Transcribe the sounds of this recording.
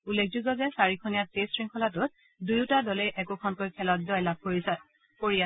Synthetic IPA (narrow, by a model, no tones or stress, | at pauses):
ulːek̚ʰd͡ʒuɡɔzɛsaɹikʰonijatesɹiŋkʰɔlatʊt̚ | dujʊtadɔlejʔɛkʊkʰɔnkojkʰɛlɔt̚dɔjlab̚koɹisat | poɹija